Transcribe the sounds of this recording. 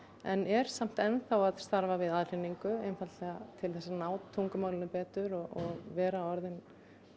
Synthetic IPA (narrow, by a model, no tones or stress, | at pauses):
ɛnɛɾ̥sam̥t̪ɛnθawaðst̪aɾvavɪðaðl̥ɪnːiŋkʏejmfat̪lɛɣat̪ʰɪlθɛsːanaːwt̪ʰːuŋkʏmaːwlɪnʏpɛːt̪ʏɾɔɔɣvɛːɾaɔɾðɪn